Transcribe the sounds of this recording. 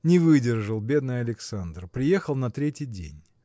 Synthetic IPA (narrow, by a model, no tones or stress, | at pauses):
nʲɪvɨdʲɪrʐɨlˠbʲe̞d̪nɨjɐlʲɪksand̪rpɾʲɪjexəlˠnɐt̪ɾʲetʲɪjdʲḛnʲ